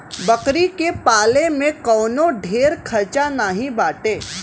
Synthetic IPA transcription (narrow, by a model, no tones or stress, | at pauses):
bɐkɾikepaːlemẽkɔːnoɖʱeːɾkʰɐɾt͡ʃanaːɦĩbaːʈeː